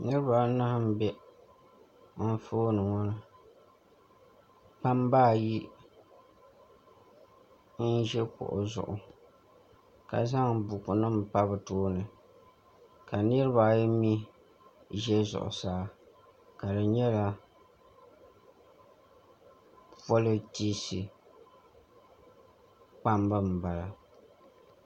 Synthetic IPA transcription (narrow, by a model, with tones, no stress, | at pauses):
nɨ˦ɾɨ˦ba˨na˦hm̩˦bɛ˦ | m̩˦foː˦nɨ˨ŋɔ˦nɨ˨ | pa˦mbaː˦˨ji˦ | n̩˦ʒɛ˦kʊ̰˨ʔʊ̰˨zʊ̰˨ʔʊ˨ | ka̰˨za˦ŋbʊ˨kʊ˨nɨ˦m˨pa˦bɨ˨toː˦nɨ˨ | ka˨nɨ˦ɾɨ˦βa˨jmi˦ | ʒɛ˦zʊ̰˨ʔʊ̰˨saː˨˦ | ka˨dɨ˨ɲɛ˦la˨ | fo˦lo˦ti˦si˨ | k͡pa˦mbɨ˦m̩˨ba˨la˨